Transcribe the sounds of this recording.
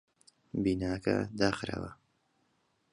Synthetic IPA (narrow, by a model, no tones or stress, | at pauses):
biːnaːkɐ̰d̪aːxɾa̰wɐ